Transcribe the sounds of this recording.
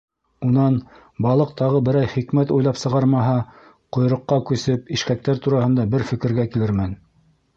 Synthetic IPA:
unɑn | bɑlˠɤq̚t̪ɑʁɤbɘ̆ɾɑjχikmæt̪ujlˠɑpsɤ̆ʁɑɾmɑɦɑ | qŏjɾɤ̆qːɑkʉsɘpiʃkæk̚t̪æɾt̪uɾɑhɤ̆nd̪ɑbɘɾfɘ̆kɘ̆ɾɡækilɘɾmæn

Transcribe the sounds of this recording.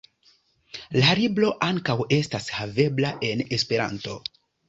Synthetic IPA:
laɾiblo̞ʔaŋkawe̞stashave̞blaʔe̞ne̞spe̞ɾa̰nto̞

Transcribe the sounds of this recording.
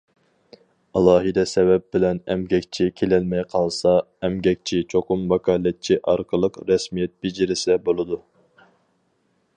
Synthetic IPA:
ɑlˠɑːɦɨd̪ɛsɛvɛp̚bɪlɛnɛ̰mɡʲɛkʲt͡ʃʰikʲʰelɛlmɛjqʰɑlˠsɑ | ɛmɡʲɛk̚ʲt͡ʃʰit͡ʃʰoqʊmvɑkʰɑːlɛt̪̚t͡ʃʰiʔɑɾqʰəlˠəqɾɛsmijɛt̪̚bed͡ʒiɾɪsɛbolˠɨd̪u

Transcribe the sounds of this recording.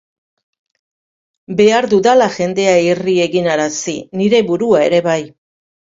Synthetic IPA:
be̞aɾðuðalaʝe̞nd̪e̞airie̞ɣinaɾasḭniɾe̞βuɾuae̞̰ɾe̞βaj

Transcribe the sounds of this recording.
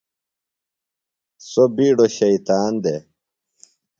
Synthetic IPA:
sobiːɖoɕɐit̪aːnd̪e

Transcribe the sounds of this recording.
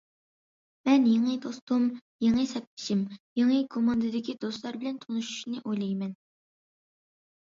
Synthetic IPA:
mɛnjeŋɨd̪ost̪um | jeŋɨsɛp̚pʰɪ̥ʃimjeŋɨkʰomɑnd̪ɨd̪ɪkʲʰid̪ost̪lˠɑɾbɪlɛnt̪ʰonuʃu̥ʃnɪʔojlˠɛjmɛn

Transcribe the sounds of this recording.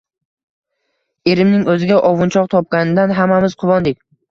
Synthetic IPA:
e̞ɾɪmnɪŋɵzɪɡʲaʔɒvʊnt͡ʃʰɒqt̪ʰɒp̚kʲanɪd̪anɦamːamɪzqʰʊvɒnd̪ɪkʲ

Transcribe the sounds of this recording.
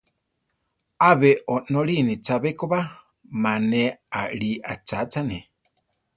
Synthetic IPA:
aβeʔonoɺinit͡ʃaβekoβa | maneaɺiʔat͡ʃat͡sane

